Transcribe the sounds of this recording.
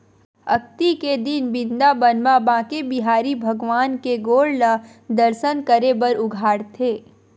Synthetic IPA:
ɐkt̪iked̪ɪnbɪ̃nd̪abənmabãːkebɪɦaːɾibʱɐɡʋaːnkeɡoːɽla | d̪əɾsənkəɾebəɾʊɡʱaːɽt̪ʰeː

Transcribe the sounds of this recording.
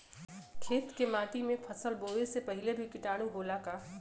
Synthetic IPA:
kʰeːt̪kemaːʈimẽpʰɐsəlboːʋesepɐɦɪlebʱikɪʈaːɽ̃ũɦoːlakaː

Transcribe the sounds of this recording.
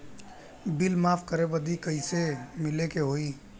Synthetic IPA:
bilmapʰkəɾebəd̪ikəisemilekeɦoi

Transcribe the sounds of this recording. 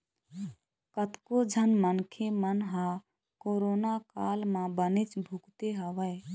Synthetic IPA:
kət̪kod͡ʒʱənmənkʰemənɦã | koːɾoːnakaːlmãbənɪt͡ʃbʱukt̪eɦəʋəɪ

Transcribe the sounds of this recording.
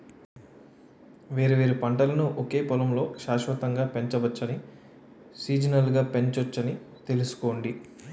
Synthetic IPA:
ʋe̞ːɾuʋe̞ːɾupɐɳʈɐlɐnuʔoke̞ːpɔlɐmlo̞ːʃaːʃʋɐt̪ɐŋɡaːpe̞ɲt͡ʃɐʋɐt͡ʃːɐni | siːd͡ʒɐnɐlɡaːpe̞ɲt͡ʃɐɐt͡ʃːɐni | t̪e̞lusu̥ko̞ːɳɖi

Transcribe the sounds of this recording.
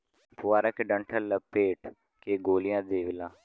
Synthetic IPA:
pʊʋaːɾəkɖəɳʈʰəlːəpeːʈ | keːɡoːlɪjãːd̪eːʋɪlãː

